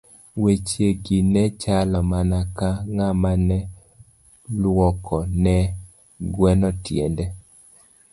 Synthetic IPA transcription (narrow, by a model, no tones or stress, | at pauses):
wet͡ʃjeɡinɛt͡ʃalɔmanakaŋamanɛ | lwɔkʰɔnɛ | ɡwɛnɔtjɛ̰ndɛ